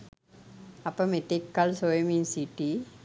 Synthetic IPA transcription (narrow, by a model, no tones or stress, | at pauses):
ɐpːɐmet̪ːekːalsoeminsiʈːi